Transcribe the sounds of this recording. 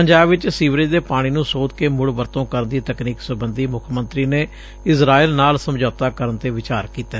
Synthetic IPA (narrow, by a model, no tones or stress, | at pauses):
pəɲd͡ʒaːbʋɪt͡ʃsiːʋɾed̪eːpaːɽ̃iːnũːsoːt̪keːmʊɽʋəɾt̪õːkəɾənd̪iːt̪əkniːksəbənd̪iːmʊkʰmə̃nt̪ɾiːneː | ɪsɾaːiːlnaːlsəmd͡ʒɔːt̪aːkəɾənt̪eːʋɪt͡ʃaːɾkiːt̪eː